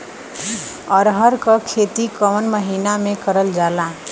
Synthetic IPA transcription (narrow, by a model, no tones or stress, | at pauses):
ʌɾɦʌɾkʌkʰet̪ikʌmənmʌɦinamekʌɾəld͡ʒala